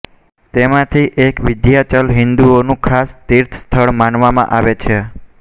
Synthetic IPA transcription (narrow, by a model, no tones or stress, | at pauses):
t̪emãt̪ʰiʔekʋɪd̪jat͡ʃəlɦɪnd̪uonũkʰast̪iɾt̪ʰst̪ʰəɭmanʋamã̰ʔaʋet͡ʃʰe